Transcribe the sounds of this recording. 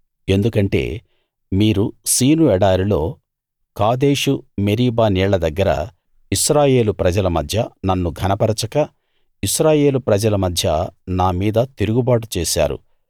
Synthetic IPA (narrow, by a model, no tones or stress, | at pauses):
e̞nd̪ukɐɳʈe̞̰ː | miːɾusiːnuɛɽaːɾilo̞ː | kaːd̪e̞ːʂume̞ɾiːbaːniːɭɐd̪ɐɡːɐɾɐ̰ | iʃɾaːje̞ːlupɾɐd͡ʒɐlɐmɐd̪ʱjɐnɐnːuɡʱɐnɐpɐɾɐt͡ʃɐkɐ | iʃɾaːje̞ːlupɾɐd͡ʒɐlɐmɐd̪ʱjɐnaːmiːd̪ɐt̪iɾuɡubaːʈ̬ut͡ʃeːʃa̰ːɾṵ